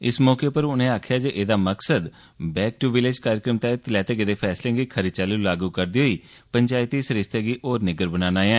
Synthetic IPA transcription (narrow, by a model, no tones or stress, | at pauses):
ɪsmɔːkeːpəɾʊnẽːaːkʰjaːd͡ʒeʔeːd̪aːməksəd̪ | bɛːk̚ʈuʋɪlɪd͡ʒkaːɾjəkɾəmt̪ãt̪lɛːt̪eːɡed̪eːpʰɛːslẽːɡiːkʰəɾɪd̪̚t͡ʃaːluːlaːɡuːkəɾd̪iːɦoːiː | pəɲd͡ʒaːɪt̪iːsəɾɪst̪eːɡiːʔoːɾnɪɡəɾbənaːnaːjãː